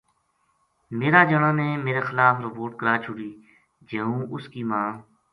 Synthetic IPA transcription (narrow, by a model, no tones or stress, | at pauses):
meːɾaːd͡ʒəɳãːnẽːmeːɾeːxɪlaːfɾəpoːɾʈ̚kəɾaːt͡ʃʰʊɽiː | d͡ʒeːũːʔʊskiːmãː